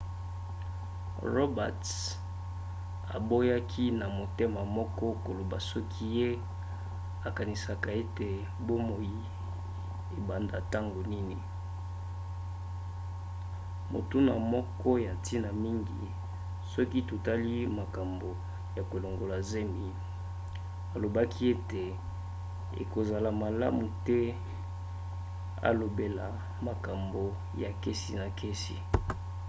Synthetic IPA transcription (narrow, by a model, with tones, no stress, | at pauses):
ʁo˦ba̰˨t | a̰˨bo˦ja˦kʰi˦na˨mo˨te˦ma˨mɔ˦kɔ˦ko˨lo˨ba˨sɔ˦kʰi˦je˦ | a˨ka˨ni˨sa˨ka˨e˦te˨ | bo˦mo˨ji˦ | e˨ba˨nda˨ta˦ŋɡo˨ni˦ni˨ | mo̰˨tu˦na˨mɔ˦kɔ˦ja˨nti˦na˨mi˦ŋɡḭ˨ | sɔ˦ki˦tu˨ta˦li˦ma˨ka˨mbo˨ | ja˨ko˨lo˨ŋɡo˨la˨ze˦mi˨ | a˨lo˨ba˦kʰi˦e˦te˨ | ḛ˨ko˨za˨la˨ma˨la̰˦mu˨tɛ˦ | a̰˨lo˨be˨la˨ | ma˨ka˨mbo˨ | ja˨ke˦si˨na˨kʰe˦si˨